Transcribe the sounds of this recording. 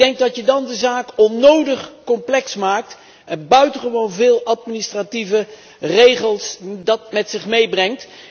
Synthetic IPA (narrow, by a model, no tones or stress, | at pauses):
dɛŋkɡ̚dɑtjədɑndəzaːkɔnːowdəχkɔmplɛksmaːk̚t | ɛnbœɥtəχəʋownvɪːlˠɑtminɪstrativə | rejχəlˠsdɑtmɛtsɪχmejbrɛŋt